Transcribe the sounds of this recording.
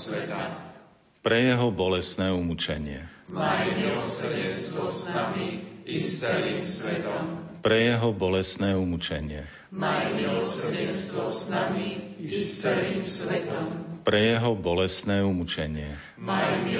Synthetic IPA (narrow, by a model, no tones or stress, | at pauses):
ɛt̪a | pɾɛjɛɦɔbɔlɛst̪nɛːumut͡ʃɛɲɪɛmamiɔsɟɛst̪ɔsnamiist̪ɛɾimsʋɛt̪ɔmpɾɛjɛɦɔbɔlɛst̪nɛːumut͡ʃɛɲɪɛ | mamilɔsɟɛnst̪ʋɔsnamiisɛɾimsʋɛt̪ɔmpɾɛjɛɦɔbɔlɛst̪nɛːumut͡ʃɛɲɪɛ | a